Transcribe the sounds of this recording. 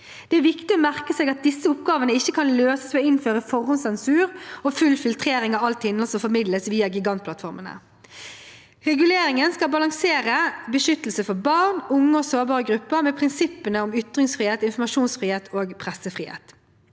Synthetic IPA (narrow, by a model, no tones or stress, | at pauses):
d̪̥ɛæɾʋɪkt̪ɪoːmæʁkəseːɡɑt̪̚d̪ɪsːəʊp̚ɡɑːʋənəɪçːəkʰɑnløːsə̥smɛɪnføːʁəfɔʁʊnsɛnsʉːʁoːfʉlfɪlt̪ʰʁeːɾɪŋɑʋɑlt̪ɪnəlsɔfɔɾmɪd̪ləsʋiːɑɡɪɡɑnt̪̚pʰlɑt̪fɔɾmənə̰ | ʁɛɡʉleːɾɪŋənskɑlbɑlɑŋseːɾəbəʃʏt̪əl̩səfɔbɑʁnʊŋːəoːsoːbɑːʁəɡɾʉpːəʁmɛːpʰɾɪnsɪpːənəʊmʏt̪ʁɪŋsfʁiːheːt̪ɪnfɔmɑʃuːnsfʁiːheːt̪ʰoːɡpʰʁɛsəfʁiːhḛːt̪